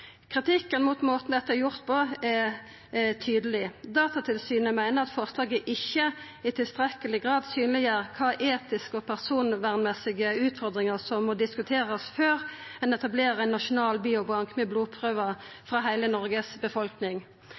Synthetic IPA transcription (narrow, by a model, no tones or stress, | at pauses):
kʰʁɪt̪ʰɪkːənmʊt̪moːt̪n̩d̪ɛt̪ːəæɾjʊʁt̪pʰɔɛ | t̪ʰyːd̪əlɪd̪ɑːt̪ɑt̪ʰɪlsyːnəmæɪnəʁɑt̪fɔʁslɑːɡəʔɪçːə | ɪt̪ʰɪlst̪ɾɛkəlɪɡʁɑːd̪syːnlɪæːʁkʰɑːʔeːt̪ɪskɔpʰæʁsuːnʋæːʁnmɛsɪɡəʉːt̪fɔʁd̪ʁɪŋəʁsɔmːɔd̪ɪskʉt̪ʰeːʁəsføːʁɛnɛt̪ɑbleːɾəɛnːɑʃʊnɑːlbiːʊbɑŋkmɛbluːpʰʁøːʋə | fʁɑːɦæɪlənɔɾɡəsbəfɔlknɪŋ